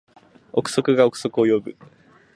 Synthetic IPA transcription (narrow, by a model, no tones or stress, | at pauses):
o̞kɯ̟̥so̞kɯ̟ɡaokɯ̟̥so̞kɯ̟o̞jo̞bɯ̟